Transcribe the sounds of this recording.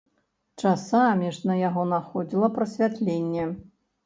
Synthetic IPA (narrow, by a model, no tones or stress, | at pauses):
t͡ʂasamʲiʐnɐjaɣɔnaxɔd͡zʲilˠɐpɾɐsʲvʲat̪lʲenʲːɛ